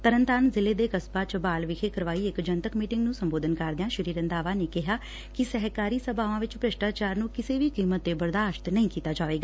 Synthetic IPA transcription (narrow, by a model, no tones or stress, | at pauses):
t̪əɾənt̪aːnzɪleːd̪eːkəspaːt͡ʃəbaːlʋɪkʰeːkəɾʋaːiːɪkd͡ʒənt̪əkmiːʈɪ̃ŋɡnũːsəmboːd̪ʱənkaɾd̪ɪjãːʃəɾiːɾə̃nd̪aːʋaːneːkɪɦaː | kɪsɛɦkaːɾiːsəbaːʋãːʋɪt͡ʃpɾəʃʈaːt͡ʃaːɾnũːkɪseːʋiːkiːmət̪̚ːeːbəɾd̪aːʃt̪nəĩːkiːt̪aːd͡ʒaːʋeːɡaː